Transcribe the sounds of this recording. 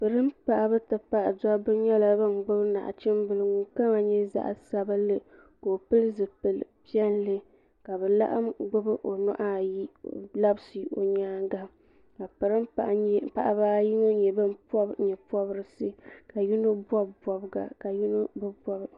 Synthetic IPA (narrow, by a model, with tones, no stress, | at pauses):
pɨ˨ɾɨ˦m˦pa˨ʔa˨bɨ˦tɨ˨pa˦ʔdɔ˦bɨ˦ɲɛ˦la˦bɨ˦m˨ɡ͡bɨ˦bɨ˦na̰˨ʔt͡ʃɪ˦m˦bɨ˦lɨ˦ŋu˨ka˦ma˨ɲɛ˦za̰˦ʔsa˦ba˦lɨ˦ | ko˨pɨ˦lɨ˦zɨ˨pɨ˨lpi˦ɛ˦n˦lɨ˦ | ka˨bɛ˨la̰˦ʔa̰˦mɡ͡bʊ˦bɨ˦ʔo˨nɔ˦ʔa˦ji˦la˦bsɨ˨˦o̰˨ɲaː˦ŋɡa˦ | ka˨pɨ˨ɾɨ˦m˨˦pa̰˨ʔa˨ba˦ji˦no˦ɲɛ˨bɨ˦m˦pɲɛ˨pɔ˦bɨ˦ɾɨ˨sɨ˦ka˨ji˦no˦bɔ˦bbɔ˨bɨ˦ɡa̰˨ka˨ji˦no˦bɨ˦bɔ˦b